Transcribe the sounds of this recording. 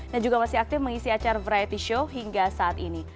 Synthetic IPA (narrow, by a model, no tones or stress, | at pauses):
dand͡ʒuɡamasɪɦak̚t̪ɪfməŋisiat͡ʃarvɾaɛt̪iʃoɦiŋɡasaːt̪ini